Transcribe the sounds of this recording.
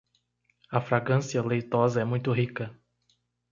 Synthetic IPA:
ɐfɾaɡɐ̃siɐlejt̪ɔzɐɛmũj̃t̪ʊɦikɐ

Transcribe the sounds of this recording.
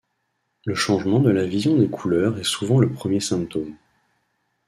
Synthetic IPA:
ləʃɑ̃ʒmɑ̃d̪əlavizjɔ̃d̪ekʰulœʁɛsuvɑ̃ləpχəmjesɛ̃mp̚t̪om

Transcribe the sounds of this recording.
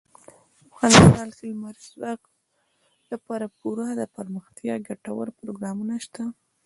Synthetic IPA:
afɣɑnɪst̪ɑlxɪlmaɾswaq | lapɑɾapuɾɑd̪əpəɾməxt̪jɑɡaʈawə̰ɾpɾoɡɾɑmunaʃt̪a

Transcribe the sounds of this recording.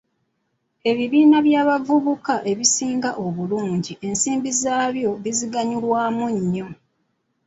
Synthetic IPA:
e̞βiβiːnaβjaːβaɡuβukaʔe̞βisiːŋɡaʔo̞βuluːɲɟiʔe̞nsiːmbizaːβjo̞βiziɡaɲulwaːmuɲːo̞

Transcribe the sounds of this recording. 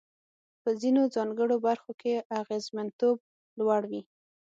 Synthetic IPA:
pəzinozɑŋɡəɽobaɾxokeʔaɣezmant̪ob̚ | lwaɽwi

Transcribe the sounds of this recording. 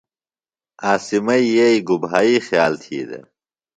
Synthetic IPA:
aːsimɐijeiɡubɦaːiːxjaːlt̪ʰḭːd̪ḛ

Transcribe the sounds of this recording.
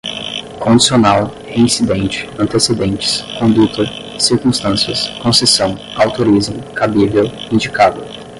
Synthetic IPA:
kõd͡ʒisionaw | heĩsid̪ẽnt͡ʃɪ̥ɐ̃nt̪esed̪ẽnt͡ʃɪ̥skõnd̪ut̪ɐ | siɾkũst̪ɐ̃siɐskõsesɐ̃w̃ | awt̪oɾizmʊkabivewĩnd͡ʒikad̪ʊ

